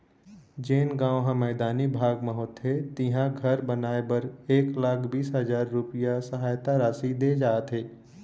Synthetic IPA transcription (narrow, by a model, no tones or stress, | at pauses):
d͡ʒeːnɡãːɦãmɛːd̪aːnibʱaːɡmɐɦot̪ɦet̪ɪ̃ɦãɡʱɐɾbɐnaːebɐɾeːklaːkʰbiːsɦɐzaːɾːʊpɪjasɐɦaːjt̪aɾaːsid̪eːd͡ʒaːt̪ɦeː